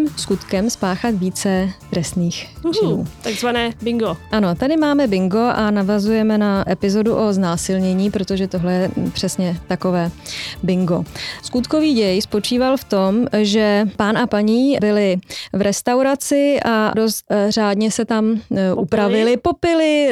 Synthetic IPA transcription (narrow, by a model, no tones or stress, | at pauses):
mskut̪kɛmspaːxat̪viːt͡sɛt̪ɾɛst̪niːxṵːt̪aɡzvanɛːbɪŋɡoʔano̞t̪adɪmaːmɛbɪŋɡo̞ʔanavazujɛmɛnaʔɛpɪzo̞duʔo̞znaːsɪlɲɛɲiːpɾo̞t̪o̞ʒɛt̪o̞ɦlɛjɛpr̥ɛsɲɛt̪ako̞vɛːbɪŋɡo̞skut̪ko̞viːɟɛjspo̞t͡ʃiːvalft̪o̞mʒɛpaːnapaɲiːbɪlɪvɾʔɛst̪awɾat͡sɪʔado̞st̪raːdɲɛsɛt̪amʔupɾavɪlɪpo̞pɪlɪ